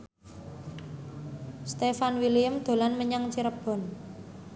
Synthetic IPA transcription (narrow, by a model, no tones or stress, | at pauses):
st̪efanwilijəmd̪̥o̤lanməɲaŋt͡ʃiɾəb̥ɔ̤n